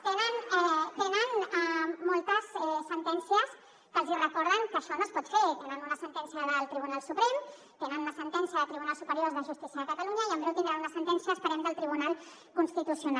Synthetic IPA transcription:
t̪enənɛt̪enənəmolˠt̪əsɛsənt̪ɛnsiəs | kəlˠzirəkɔɾðəŋkəːʃɔnospɔt̪feɾt̪enənunəsənt̪ɛnsjəðəlˠt̪ɾiβunalˠsupɾem | t̪enənunəsənt̪ɛnsjəðət̪ɾiβunalˠsupəɾioɾzðəʒust̪isjəðəkət̪aluɲəiəmbɛwt̪ind̪ɾanunəsənt̪ɛnsiəspəɾɛmd̪əlˠt̪ɾiβunalˠ | kunst̪it̪usiuna

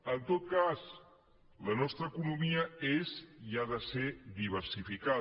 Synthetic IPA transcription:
ənt̪ot̪̚kaz | lənɔst̪ɾəːkunumiəeziaðəsed̪iβ̞əɾsifika

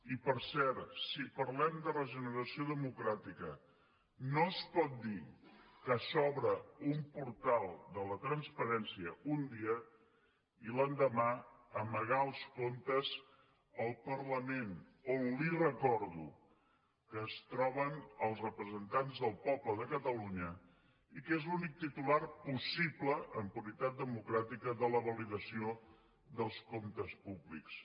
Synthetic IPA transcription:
ipəɾsɛɾsipəɾlɛmd̪ərəʒənəɾəsioðəmukɾat̪ikə | noəspɔt̪̚d̪ikəsɔβɾəumpuɾt̪alˠd̪ələt̪ɾənspəɾɛnsiəund̪iə | ilənd̪əmaəməɣ̞aəlˠskont̪əz | əlˠpərləmenonlirəkɔɾðu | kəːst̪ɾɔβənəlˠsrəpɾəzənt̪anzðəlˠpɔpləðəkət̪əluɲə | ikezlunik̚t̪it̪ularpusibləʔəmpuɾit̪at̪̚d̪əmukɾat̪ikəðələβəliðəsio | ðəlˠskomt̪əspubliks

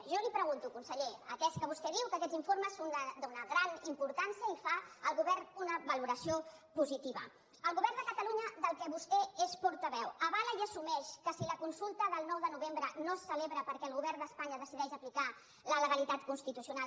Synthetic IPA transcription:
ʒɔlipɾəɣunt̪ukunsəʎeəkɛskəβ̞ust̪ɛðiwkəkɛziɱfoɾməsːond̪əd̪onəɣɾanimpuɾt̪ansiəifaəlˠɣuβɛrnunəβəluɾəsiopuzit̪iβə̰ | əlˠɣuβɛrnd̪əkət̪əluɲəðəlˠkɛβust̪ɛespɔɾt̪əβɛwəβaləiəsumɛʃkəsiləkunsulˠt̪əðəlˠnɔwðənuβembɾənosːəleβɾəpəɾkɛəlˠɣuβɛrnd̪əspaɲəðəsiðɛʃəplika | lələɣəlit̪at̪kunst̪it̪usiuna

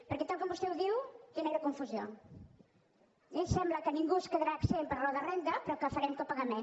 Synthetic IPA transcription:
pəɾkɛt̪alˠkɔmbust̪ɛwðiwkineɾəkuɱfuzio | eʎsɛmbləkəniŋɡuskəðɾaksempəɾlɔðərɛnd̪əpɾɔkəfəɾɛmt̪opəɣənɛ

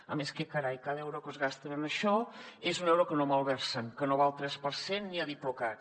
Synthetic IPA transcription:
əmeskekəɾajkaðɛwɾokəzɣast̪ənənəʃɔezunɛwɾokənoməlˠβɛɾsənkənoβalˠt̪ɾɛspəɾsenːiəðiploka

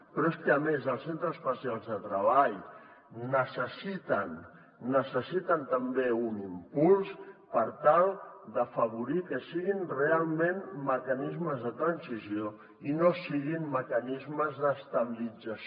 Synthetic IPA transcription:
pɾɔeskəːmezəlˠsent̪ɾəspəsialˠzðət̪ɾəβ̞aʎː | əsəsit̪ənː | əsəsit̪ənt̪əmbeunimpulˠspəɾt̪alˠd̪əfəβ̞uɾikəsiɣinrealˠmẽnməkənizməzðət̪ɾənsizjo | inosiɣimːəkənizməzðəst̪əβilid͡zəs

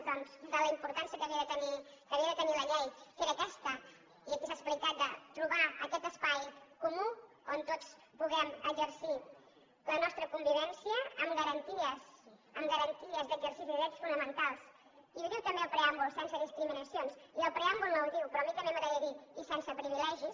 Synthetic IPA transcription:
d̪ɔnzd̪ələimpuɾt̪ansiəkəβiəðət̪ənikəβiəðət̪əniləʎejkeɾəːkɛst̪ə | iəkisasplikat̪̚d̪ət̪ɾuβaə̰kɛt̪əspajkumu | ont̪ot͡spuɣɛməʒəɾsi | lənɔst̪ɾəkumbiβɛnsiəːmɡəɾənt̪iəsəmɡəɾənt̪iəzd̪əɡzəɾsisiiɾɛsfunəmənt̪alˠs | iβuðiwt̪əmbeəlˠpɾeambulˠsɛnsəðiskɾiminəsionsiəlˠpɾeambulˠnəwðiwpɾɔmik̪əmɛməðəʎəɣiːsɛnsəpɾiβilɛʒis

